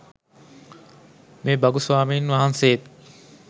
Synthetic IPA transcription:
meːbɐɡusʋaːmiːnʋaɦanset̪

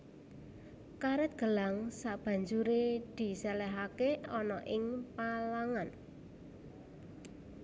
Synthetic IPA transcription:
kaɾɛt̪̚ɡ̥ə̤laŋsab̥ä̤ɲd͡ʒuɾed̪̥i̤sɛlɛɦakeɔnɔʔɪŋpalaŋan

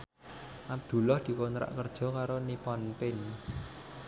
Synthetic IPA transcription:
ʔab̚d̪̥ṳlɔhd̪̥i̤kont̪ɾa̰ʔkərd̥ʒ̥ɔ̤kaɾonipɔnpɪn

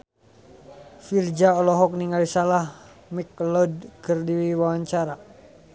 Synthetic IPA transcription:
fild͡ʒaɔlɔɦɔk̚niŋɡalisalah | miklɔdkɨrdiwiwawaɲt͡ʃaɾa

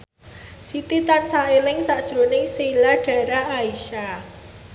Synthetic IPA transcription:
sit̪it̪ansaelɪŋsaʔd̥ʒ̥ɾonɪŋselaɖ̥a̤ɾaaiʃa

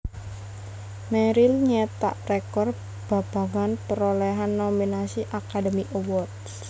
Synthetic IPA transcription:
meɾilɲet̪a̰ʔrekɔr | b̥a̤b̥a̤ŋanpəɾoleɦanːominasiʔakadəmiʔowɔt̪s

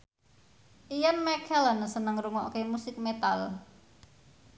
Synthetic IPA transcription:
ʔijanmɛkʰɛlənsənəŋɾuŋɔʔo̰kemusɪk̚met̪al

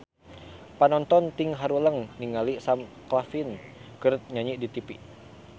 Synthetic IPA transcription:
panɔnt̪ɔnt̪ɪŋɦaɾuləŋniŋalisam | klafinkɨɾt̪̚ɲaɲiʔdit̪ipi

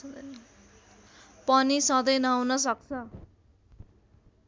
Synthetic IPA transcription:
d̪ʌnʌ | pʌnisʌ̃d̪ʌjnʌwnʌs̬ʌk̚t͡sʰʌ

